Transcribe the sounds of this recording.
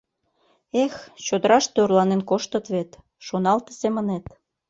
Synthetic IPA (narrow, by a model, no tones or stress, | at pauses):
ext͡ɕod̪əɾɑʃt̪ørlɑnenkoʃt̪ə̆t̪βet̪ | ʃonɑlt̪ə̥semənet̪